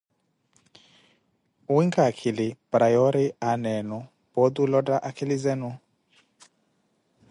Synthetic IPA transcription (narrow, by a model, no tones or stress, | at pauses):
wiŋkʼakʰilɪb̥ɾajɔɾianɛnɔ | b̥ɔd̪ulɔdaʔakʰɛlizɛnu